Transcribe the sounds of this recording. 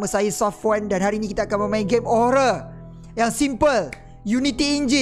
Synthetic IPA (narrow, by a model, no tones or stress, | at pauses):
məsajusɔft̪wɛndanhaɾiːnikit̪aːkanməmãiɡemɔɾə | jaŋsimpəl | junit̪iːɲd͡ʒi